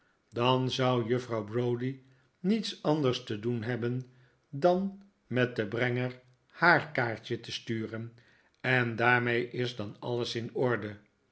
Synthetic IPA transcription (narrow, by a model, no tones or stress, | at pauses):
dɑnzʌwjəfrɑwbrowdi | nitsɑndəɹstədunɦɛbən | dɑn | mɛt̚dəbrɛŋəɹ | haːɹkaːɹtətəstyːrən | ɛndaːɹmejʔɪzdɑnɑ̰ləsɪnɔɹdə